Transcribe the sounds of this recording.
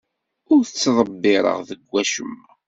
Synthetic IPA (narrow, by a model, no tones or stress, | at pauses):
ʊɾθət͡sːðˤəbːɪɾˤə̰ʁðəɡʷːæʃəm